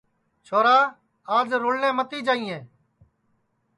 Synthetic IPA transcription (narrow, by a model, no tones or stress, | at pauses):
t͡ʃʰoːɾaː | aːd͡ʒɾʊːɽnẽːmət̪iːd͡ʒaːĩːẽː